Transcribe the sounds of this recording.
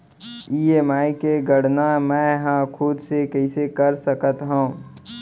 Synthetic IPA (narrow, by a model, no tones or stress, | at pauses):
iːeːmaːikeɡəɽnamɛ̃ɦãkʰʊd̪sekɛɪsekəɾsəkət̪ɦũː